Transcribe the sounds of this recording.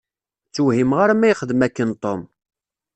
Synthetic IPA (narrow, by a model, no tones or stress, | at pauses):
t͡sːuhimʁaɾamæjχəðmækːənt̪ˤom